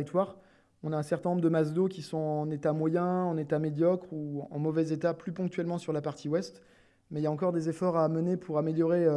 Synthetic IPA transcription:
ikt̪waʁ | ɔ̃naɛ̃sɛʁt̪ɛ̃nɔ̃bʁd̪əmas̬d̪okʲisɔ̃ɑ̃net̪amwajɛ̃ɑ̃net̪amed̪jɔkχuɑ̃mɔvɛzet̪aplypɔ̃ŋk̚t̪ɥɛlmɑ̃syʁlapaʁt̪ʰiwɛst̪ | mɛiljaɑ̃kɔʁd̪ezefɔʁamənepʰuʁameljɔʁeø

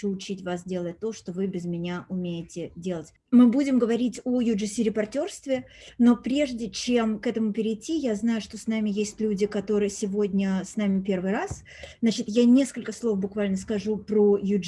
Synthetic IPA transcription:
uʊt͡ɕitʲvas̬dʲe̞lˠət̚ʲt̪ːo̞ʂt̪o̞vɨbʲɪzmʲɪnʲaʔʊmʲejɪtʲɪdʲe̞lˠətʲ | mɨbudʲɪmɡəvɐɾʲitʲojʊʐɨsʲiɾʲɪpɐrtʲo̞rst̪vʲɪno̞pɾʲe̞ʐdʲɪt͡ɕe̞mkɛt̪əmʊpʲɪɾʲɪjtʲːijaznajʊʂt̪o̞snamʲɪjesʲtʲlʲudʲɪkɐt̪o̞ɾɨjəsʲɪvo̞dʲnʲəsnamʲɪpʲe̞rvɨjɾas | znat͡ɕɪt̪janʲe̞skəlʲkəslˠo̞fbʊkvalʲnəskɐʐupɾojʊ

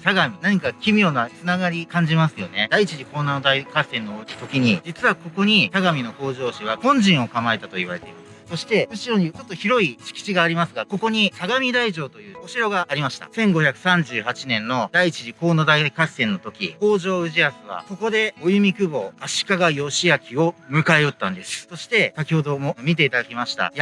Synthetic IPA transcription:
saɡamʲinaɲ̟ikakʲimʲjo̞ːnat͡sɨnaɡaɾʲikãɲ̟d͡ʑimasɨjo̞ne̞d̪ait͡ɕiʑiko̞ːnad̪aikasẽ̞nːookʲi̥t̪o̞kʲiɲ̟id͡ʑit͡sɨβako̞ko̞ɲ̟it̪aɡamʲino̞ko̞ːʑo̞ːɕiβakõ̞ɲ̟d͡ʑĩɰ̃o̞kamae̞t̪at̪o̞iβa̰ɾe̞t̪e̞imas | so̞ɕi̥t̪e̞ɯ̟ɕiɾo̞ɲ̟it͡ɕo̞t̪ːo̞çiɾo̞iɕi̥kʲi̥t͡ɕiɡaːɾʲimasɨɡako̞ko̞ɲ̟isaɡamʲid̪aiʑo̞ːt̪o̞jɯ̟ːoɕiɾo̞ɡaʔːɾʲimaɕi̥t̪a̰sẽ̞ŋɡo̞çakɯ̟̥sãɲ̟d͡ʑɨːhat͡ɕinẽ̞nːo̞d̪aiit͡ɕiʑiko̞ːno̞d̪aikassẽ̞nːo̞t̪o̞kʲḭko̞ːʑo̞ːɯ̟ʑiasɨβa̰ko̞ko̞d̪e̞o̞jɯ̟mʲikɯ̟bo̞ːaɕi̥kaɡajo̞ɕiakʲio̞mɯ̟kaeo̞t̪ːãnd̪e̞sɨ̥so̞ɕi̥t̪e̞sakʲiho̞d̪o̞momʲit̪̬e̞it̪ad̪akʲimaɕi̥t̪a̰ja

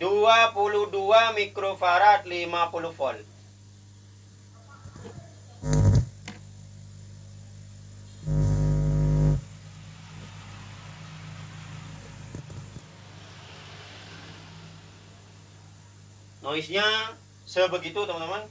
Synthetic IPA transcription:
duapuluhduamikɾofaɾat̪̚limapuluhfɔl | noisɲa | səbəɡit̪ut̪əmant̪əman

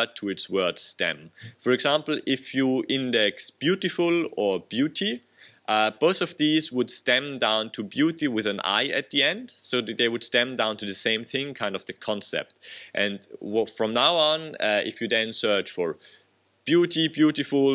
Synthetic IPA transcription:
tʰɨɨtswɜ˞d̥stɛ̰̃mfə˞ɨɡzæ̃mpl̩ˠɪfjuɪ̃ndɛksb̥juɾɨfʊlˠə˞bjʉɾi | ʔʌb̥oʊθʌvðizwəd̥stɛ̃mdãʊ̃ntʰɨbjuɾiwɨðɨ̃na̰ɪɨ̰t̪̚ðiɛ̃nd̥soʊðɨt̪̚ðeɪwɨd̥stɛ̃mdãʊ̃ntʰɨðɨsẽɪ̃mθɪ̃ŋkʰãɪ̃ndʌvðɨkʰɑ̃nsɛ̰p̚tʔɨ̃nfɹʌ̃mnaʊə̃nɪ̰fjɨðɨ̃nsɜ˞t͡ʃfə˞ | b̥juɾibjuɾɨfl

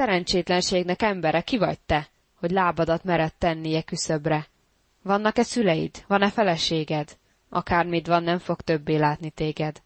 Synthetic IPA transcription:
sɛɾɛnt͡ʃeːt̪lɛnʃeːɡnɛkɛmbɛɾɛkivɒ̰c̚t̪ɛ | ho̞ɟlaːbɒd̪ɒt̪mɛɾɛt̪ːɛnːijɛkysøbrɛ | vɒnːɒkɛsylɛjḭd̪ʋɒnɛfɛlɛʃeːɡɛd̪ | ʔɒ̰kaːrmid̪ʋɒnːɛɱfo̞kt̪ø̞bːeːlaːt̪nit̪eːɡɛd̪

